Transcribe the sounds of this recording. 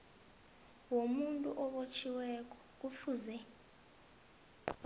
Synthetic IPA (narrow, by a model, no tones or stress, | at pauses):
womuntʼuʔɔɓot͡ʃʰiwɛk̬ʼɔ̥k̬ufuzɛ